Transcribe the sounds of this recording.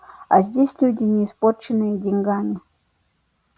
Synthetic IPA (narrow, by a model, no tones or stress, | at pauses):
ɐ̰zʲdʲesʲlʲudʲɪnʲɪːsport͡ɕɪnɨjədʲɪnʲɡamʲɪ